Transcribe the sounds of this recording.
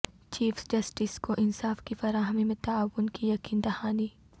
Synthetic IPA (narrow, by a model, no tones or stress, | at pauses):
t͡ʃiːfsd͡ʒɐsʈɪskoʔɪnsaːfkifɐɾaːɦəmimẽt̪aaːwːʊnkijɐkiːnd̪ɐhaːni